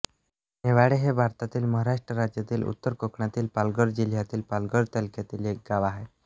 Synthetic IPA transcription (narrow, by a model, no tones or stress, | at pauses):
neʋaɽeɦebʱaɾt̪at̪iːlməɦaɾaʂʈɾəɾad͡ʑjat̪iːlṵt̪ːəɾkokɳat̪iːlpalɡəɽd͡ʑil̤jat̪iːlpalɡəɽt̪alkjat̪iːlek̚ɡaʋaɦe